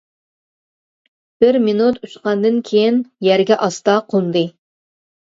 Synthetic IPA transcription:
b̥ɪɾminut̪ʰut͡ʃqɑnd̪ɨnkʲʰejinjæɾɡʲɛʔɑst̪ɑqʰund̪ɨ

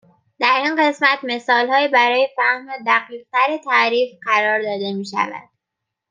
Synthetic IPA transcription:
d̪̥æɾinɢe̞smæt̪me̞sɒːlhɒːibæɾɒːje̞fæhmod̪æɡiːq̚t̪ʰæɾet̪ʰæɾiːfɢæɾɒːɾd̪ɒːd̪e̞miːʃæ̰væ̰d̪̥

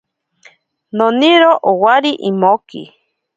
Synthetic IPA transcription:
nõniɾoʔowaɾiʔimokḭ

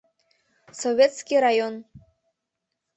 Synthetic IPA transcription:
soβʲet̪skʲiɾajon

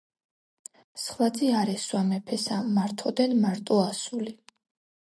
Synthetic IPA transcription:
sχvad̪ziaɾɛswamɛpʰɛsamaɾt̪ʰɔd̪ɛnmaɾt̪ʼɔasuli

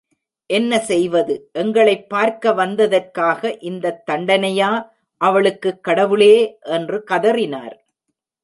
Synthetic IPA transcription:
ʔɛnːɐsɛjʋɐðɯʔɛŋɡɐɭɐɪpːaːɾkɐʋɐnd̪ɐðɐrkaːɣɐʔɪnd̪ɐt̪ːɐɳɖɐnɐjaː | ʔɐʋɐɭɯkːɯkːɐɽɐʋɯɭeːʔɛndrɯkɐðɐrɪna̰ːɾ

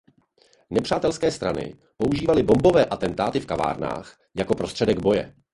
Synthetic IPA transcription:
nɛpr̥aːt̪ɛlskɛːst̪ɾa̰nɪ̰ | po̞uʒiːvalɪbo̞mbo̞vɛːʔat̪ɛnt̪aːt̪ɪfkava̰ːɾna̰ːx | jako̞pɾo̞st̪r̥ɛdɛɡbo̞jɛ̰

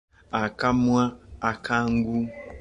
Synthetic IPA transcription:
akamwaakʰaŋ̩ɡu

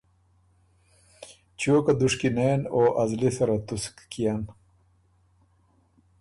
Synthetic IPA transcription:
t͡ɕoːkad̪uʂkineːnoːʔɐzlisɐɾat̪uskkːijan

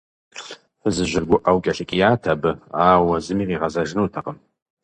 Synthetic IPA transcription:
ħəzɨʒʷɪrɡʷʊʔawkʲʼaɬakʲʼjaːtʰabɨaːwazɨmiʁiʁazaʒnɨwtʰaqʼəm

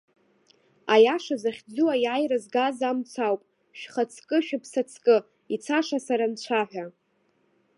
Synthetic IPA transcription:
ajaʂazaχʲd͡zuwajajrazɡazamt͡sʰawpʼ | ʃᶣχat͡sʰkʼɨʃᶣapʰsat͡sʰkʼɨ | it͡sʰaʂasaɾant͡ɕʷʰaħʷᶣa

